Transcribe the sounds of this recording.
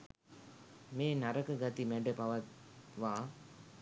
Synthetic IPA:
meːnɐɾɐkəɡat̪imæɖəpaʋɐt̪̚ʋaː

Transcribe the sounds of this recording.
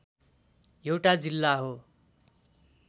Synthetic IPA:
jewʈad͡zilːaɦo

